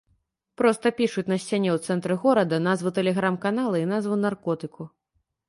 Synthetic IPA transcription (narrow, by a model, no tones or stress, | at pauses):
pɾɔst̪ɐpʲiʂut͡sʲnɐsʲt͡sʲanʲɛwt̪sɛnt̪ɾɨɣɔɾɐd̪ɐnazvɨt̪ɛlʲɛɣɾamkanalˠɐinazvɨnarkɔt̪ɨku